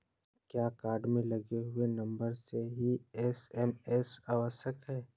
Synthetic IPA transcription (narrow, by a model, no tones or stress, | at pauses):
kjaːkaːɾɖmẽlɐɡeɦʊenɐ̃mbəɾseɦiɛsɛmɛːsaːʋəʃəkɦɛː